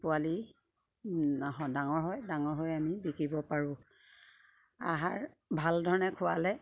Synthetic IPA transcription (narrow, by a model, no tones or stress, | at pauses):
pʊali | ɦɔdaŋɔɹɦɔjdaŋɔɹɦojamibikibɔpaɹʊ̃ | a̰ɦaɹ | bʱaldʱɔɹnɛkʰʊwalɛ